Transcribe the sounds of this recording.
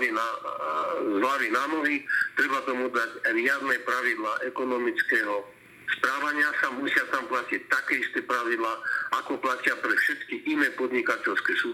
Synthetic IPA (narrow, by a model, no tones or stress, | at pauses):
ina | zlaʋinaːmɔɦit̪ɾɛbat̪ɔmud̪acɾɪad̪nɛpɾaʋid̪laːʔɛkɔnɔmit͡skɛːɦɔ | spɾaːʋaɲɪasamusɪat̪amplacɛc̚t̪akɛːist̪ɛpɾaʋid̪laːakɔplacɪapɾɛfʃɛt̪kiʔinɛːpɔd̪ɲikacɛlskɛːsuː